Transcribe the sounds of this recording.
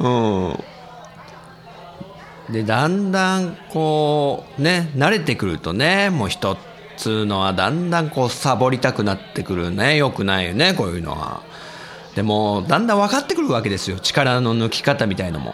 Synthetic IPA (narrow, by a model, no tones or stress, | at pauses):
ɯ̟̃ː | d̪e̞d̪ãnd̪ãŋko̞ːne̞naɾe̞t̪e̞kɯ̟ɾɯ̟t̪o̞ne̞mo̞ːçi̥t̪o̞ | t͡sɨno̞βad̪ãnd̪ãŋko̞ːsabo̞ɾʲit̪akɯ̟nat̪ːe̞kɯ̟ɾɯ̟nejo̞kɯ̟naine̞ko̞ːjɯ̟no̞̰ɡa̰ | d̪̥e̞mo̞ːd̪ãnd̪ãɰ̃βakat̪ːe̞kɯ̟ɾɯ̟βake̞d̪e̞sɨjo̞t͡ɕi̥kaɾano̞nɯ̟kʲi̥kat̪amʲit̪aina̰mo̰